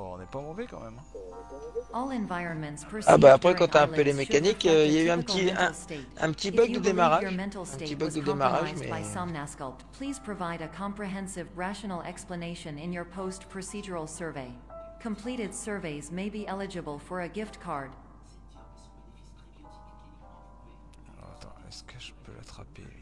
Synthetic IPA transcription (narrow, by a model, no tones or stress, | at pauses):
ɔ̰̃nɛpamɔ̃vekɑ̰̃mɛ̰m̃ | ʔɔlˠɛ̃ɱvaɪɹɨ̃nmɨ̃ntspʰə˞sa̰baːpχɛkɑ̃t̪yaɛ̃elemekanikiljayɛ̃pət̪iɛ̃steɪt̚ɛ̰̃pət̪ibœɡd̪əd̪emaʁaə˞mɛ̃ntˡl̩ˠsteɪt̪ibɔɡ̚d̪əd̪emaʁa̰ʒmɛ̰baɪsɑ̃mnæskʌlˠpʰl̥iz̥pʰɹ̥ɨvaɪɾɨkʰɑ̃mpɹiɦɛ̃nsɪvɹæʃənl̩ˠɛ̰kspləneɪʃɨ̃nɪ̃njə˞pʰoʊstpʰɹ̥ɨsid͡ʒə˞l̩ˠsɜ˞veɪkʰə̃mpʰl̥iɾɨd̥sɜ˞veɪzmeɪbiʔɛlˠɨd͡ʒɨbl̩ˠfə˞ɨɡɪftkʰɑɹd̥ | alɔ̰ʁa̰t̪ɑ̰̃ɛ̰skəʒəpø̰la̰t̪χapḛ